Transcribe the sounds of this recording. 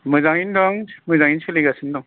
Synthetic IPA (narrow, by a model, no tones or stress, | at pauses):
mɯzaŋindɔŋmɯzaŋinsʰeliɡasindɔŋ